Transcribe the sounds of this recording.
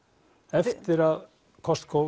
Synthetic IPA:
ɛft̪ɪɾað | kʰɔst̪kʰo

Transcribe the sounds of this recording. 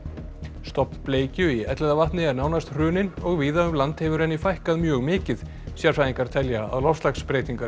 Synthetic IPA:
st̪ɔpn̥pleːjcʏiɛt̪lɛðavaht̪nɪɛɾnaːwnast̪r̥ʏːnɪnɔɣviːðaʏmlant̪hɛvʏɾɛnːɪfajhkaðmjœːɣmɪːcɪð | sjɛɾ̥faːiŋkaɾ̥t̪ʰɛljaa̰ðlɔfslaxspɾeːjt̪iŋkaɾ

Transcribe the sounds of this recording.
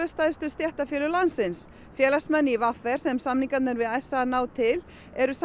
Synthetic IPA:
ʏst̪aːjðʏst̪ʏst̪jɛht̪afjɛːlʏlansɪns | fjɛːlasmɛnːɪivafɛɾ̥sɛmsamniŋkat̪nɪɾvɪðɛsanaːwt̪ʰɪl | ɛɾʏs

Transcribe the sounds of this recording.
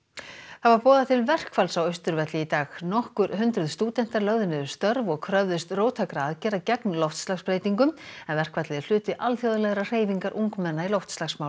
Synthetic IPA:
θavaɾpɔːðat̪ʰɪlvɛr̥kfalsawœɥst̪ʏɾvɛt̪lɪit̪aːɣnɔhkʏɾhʏnt̪ɾʏðst̪uːt̪ɛn̥t̪aɾlœɣðʏnɪðʏ̥st̪œɾvɔɣkʰɾœvðʏst̪roːwt̪ʰakɾaaðcɛːɾacɛknlɔwft̪stlaxspɾeːjt̪iŋkʏmɛnvɛr̥kvat̪lɪðɪl̥ʏːt̪ɪʔalθjowðʏlɛɣɾar̥eːjviŋkaɾʔuŋkmɛnːailɔwft̪st̪laxsmaw

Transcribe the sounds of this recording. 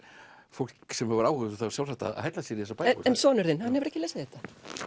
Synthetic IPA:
fowlksɛmhɛvɾawhʏðθavɾsjaw̪sɛt̪a̰ɦɛjt̪lasiɛːɾiðɛsapajɛnsɔːnʏɾðɪnhanːhɛvʏɾɛhcːɪlejsaðθɛht̪ḁ

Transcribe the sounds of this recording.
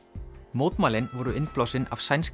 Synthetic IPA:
mowt̪malɪnʋɔɾuɪnplɔsɪnawsajns

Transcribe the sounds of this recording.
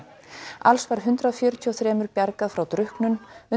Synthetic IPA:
a̰lsvaɾ̥ɦʏnt̪ɾaɔfjœːɾʏt̪ʰiɔθɾɛːmʏɾpjaɾkaðfɾawt̪ɾʏhknʏnʏ

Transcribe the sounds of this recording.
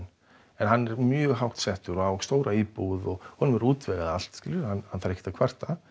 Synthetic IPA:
n | ɛnhanːɛɾmjœːɣɦawht̪sɛht̪ʏɾɔawst̪oːwɾaiːpuðɔɣhɔnʏmɛɾuːt̪vɛɣaðal̥t̪scɪːlʏɾhanhanθfaɾɛhcːɪ̥t̪akʰvar̥t̪a

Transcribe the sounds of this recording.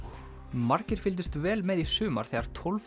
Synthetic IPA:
maɾcɪɾ̥fɪlt̪̬ʏst̪vɛːlmɛðisʏːma̰ɾ̥θɛːɣaɾ̥t̪ʰɔlf

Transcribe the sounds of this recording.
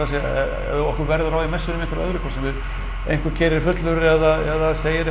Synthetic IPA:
asɛ̰ | ɔhkʏɾvɛɾðʏɾaːwðɪmɛsːʏɾnʏmẽŋkvɾœðɾʏkʰɔsɪnɪɾ | ḛjŋ̥kvʏɾ̥cʰɛːɾɪɾ̥fʏt̪lʏɾɛðaɛðaseːjɪɾɛ

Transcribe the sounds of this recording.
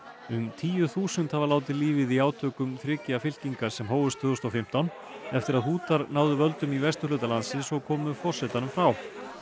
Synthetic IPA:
ʏmt̪ʰiːjʏθuːsʏnt̪havalaːwt̪̬ɪliːvɪðiaːwt̪ʰœːkʏmθɾɪːcɪafɪl̥ciŋkaɾ̥sɛmɦoːwvʏst̪ʰvʏːðʏst̪ɔwfɪm̥t̪awn | ɛft̪ɪɾaðhuːt̪aɾnaːwðʏvœlt̪ʏmivɛst̪ʏrlʏːt̪alansɪsɔɣkʰɔːmʏfɔr̥sɛt̪anʏmfɾaw

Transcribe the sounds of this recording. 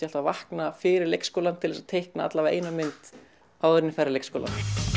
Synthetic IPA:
alt̪avahknafɪːɾɪɾlejkskoːlant̪ʰɪlvɛsat̪ʰejhknaa̰t̪lavaḛːjnamɪnt̪ | aːwʏɾɪnːɪfɛrːalejkskoːla̰n

